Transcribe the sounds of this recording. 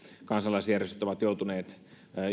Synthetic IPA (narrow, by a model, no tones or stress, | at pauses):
kɑnsɑlːˑɑisjærjest̪yt̪oʋɑt̪jout̪uneːt̪ː